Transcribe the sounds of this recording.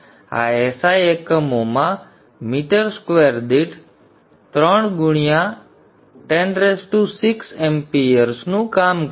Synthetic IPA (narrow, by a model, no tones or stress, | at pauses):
a̰ːeːsaːjeːkmoːmãː | miːʈəɾskʋeːɾd̪iʈ | t̪ɾəɳɡʊɳ̃ɪjãː | ʈeːnɾeːsʈuːsɪksempiːəɾsnũːkaːm